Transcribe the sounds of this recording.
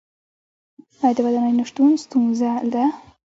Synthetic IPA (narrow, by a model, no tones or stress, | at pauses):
ajd̪əwad̪anajnaʂt̪unst̪unzald̪a